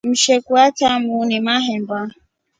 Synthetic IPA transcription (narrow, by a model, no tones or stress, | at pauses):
m̩ʃɛkuatamunimaɦɛmba